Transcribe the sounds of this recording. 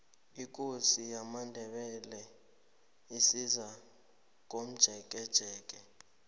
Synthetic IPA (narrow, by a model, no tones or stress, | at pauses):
ik̬ʼosijamandʱɛɓɛlɛ | isiza | k̬ʼom̩d̥ʒ̥ʱɛk̬ʼɛd̥ʒ̥ʱɛːk̬ʼɛ